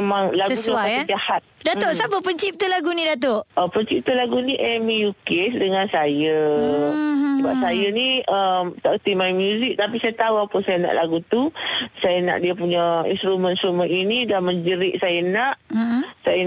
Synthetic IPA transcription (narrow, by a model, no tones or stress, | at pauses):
mãŋlaɡəut̪uasəsahat̪̚dat̪oʔsapəpəɲt͡ʃip̚t̪ulaɡunĩdat̪oʔəpəɲt͡ʃip̚t̪ulaɡuniʔɛmijukesdəŋãnsajə | səbap̚sajəniəmt̪aʔkət̪imajmjuzik̚t̪ap̬isajat̪auapəsajəna̰ʔlaɡut̪usajənã̰ʔdiapuɲaḭnst̪ɾumə̃nst̪ɾumə̃ninidanməɲd͡ʒəɾɪʔ̚sajənaʔsajə